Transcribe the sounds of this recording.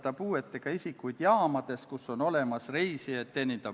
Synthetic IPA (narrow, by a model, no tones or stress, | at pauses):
t̪ɑpuːe̞t̪ːˑeɡ̥ɑisikːˑujd̪̥jɑːmɑd̪̥e̞skuso̞no̞le̞mɑsrejsiett̪ːenint̪ɑ